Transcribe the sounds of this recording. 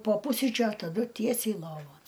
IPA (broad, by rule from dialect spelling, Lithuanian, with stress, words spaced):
poː ˈpʊsʲrʲiːt͡ʃʲʊ ɐ tɐˈdʊ ˈtʲiɛsʲɛɪ ˈlˠoːʋoːn